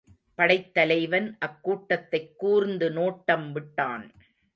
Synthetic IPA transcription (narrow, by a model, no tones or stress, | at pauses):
pɐɽɐɪt̪ːɐlɐɪʋɐnʔɐkːuːʈːɐt̪ːɐɪkːuːɾnd̪ɯnoːʈːɐmʋɪʈːaːn